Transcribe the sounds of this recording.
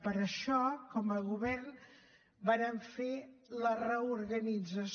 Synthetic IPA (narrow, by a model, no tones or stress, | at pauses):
pəɾəʃɔkɔməɣuβɛrn | baɾəɱfelərəuɾɣənid͡zəs